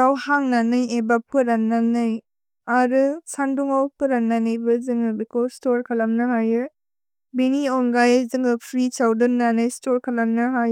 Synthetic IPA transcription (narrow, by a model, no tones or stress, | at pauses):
ɾawhaŋnanɯjebap̚ʰɯɾanːanɯj | aɾɯsanduŋawkɯɾanːanɯjbɯzɯŋɯbikɔstɔɾkʰalamnɯɦajɯ | biniɔŋɡajzɯŋɯpʰɾit͡ʃawdɯnːanɯjstɔɾkʰalamnɯɦaj